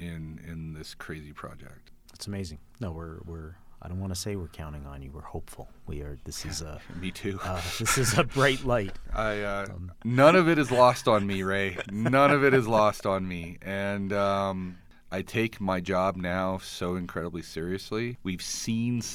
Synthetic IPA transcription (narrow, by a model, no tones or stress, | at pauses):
ɪ̃nɪ̰̃nðɪskʰɹ̥eɪzipʰɹ̥ɑ̰d͡ʒɛ̰k̚t̚ | ætsəmeɪzɪ̃ŋnoʊwɪɹwɪɹaɪdõʊ̃ntwɑ̃nɨseɪwɪɹkʰãʊ̃ɾ̃ɪ̃ŋə̰̃njɨwəɹhoʊpfl̩ˠwḭə˞ðɪsɨzmitʰʉðɪsɨzəbɹaɪtˡlaɪt̚aɪʌnʌ̃ñʌvɨɾɨzlɔstn̩miɹaɪt̚nʌ̃nʌvɨɾɨzlɔstn̩miɨ̃nʌ̃m | ʔaɪtʰeɪkmaɪd͡ʒɑb̚naʊsoʊɨ̃nkʰɹ̥ɛɾəblisɪɹiɨsliwiv̥sĩn